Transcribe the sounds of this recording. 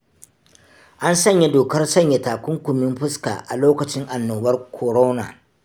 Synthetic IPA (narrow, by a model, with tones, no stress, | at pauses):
ʔa˦nsɐ˦ɲja˦doː˨kɐ˦rsɐ˦˨ɲja˨˦taː˨kʷʊ˦ŋkʷʊ˨mɪ˦mɸʊ˦ska̰ː˨ʔa̰˨loː˦kɐ˨t͡ʃɪ˦ŋʔa˨nːoː˨bɐ˦rkʰo˨ɾoː˦na̰ː˨